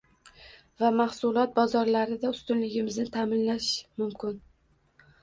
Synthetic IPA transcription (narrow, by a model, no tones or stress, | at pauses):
vamahsʊlˠɒt̪̚bɒzɒɾlaɾɪd̪aʊst̪ʊnlɪɡʲɪmɪznɪt̪ʰamɪnlaʃmʊmkʰʲɪn